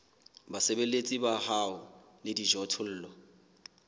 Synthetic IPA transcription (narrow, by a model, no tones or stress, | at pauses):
basebelet͡sʼibahaʊ | lɪdiʒɔtʰʊl̩ːlwa